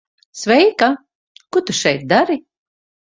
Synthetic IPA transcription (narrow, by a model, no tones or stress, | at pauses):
svɛjka | kut̪uʃɛjt̪̚d̪aɾi